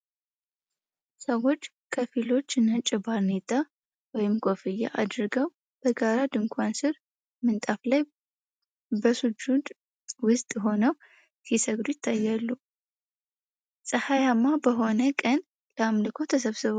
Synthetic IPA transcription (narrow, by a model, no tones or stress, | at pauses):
səwo̞t͡ʃː | kʰəfilo̞t͡ʃːɨnːat͡ʃʼɪbaɾnet̪ʼa | wɔjɪmkʰʼo̞fɨjːa̰ʔad̪ɾɨɡəw | b̥əɡaɾad̪ɨŋkʷʰansɨɾ | mɨnt̪ʼaflaj | bəsud͡ʒud̪ | wʊst̪ʼɦo̞nəw | kisəɡɾujɪt̪ʰːajːalːu | sʼəhajamːabəɦo̞nəkʼən | ləamlɨkʰo̞t̪ʰəs̬əβsɨβo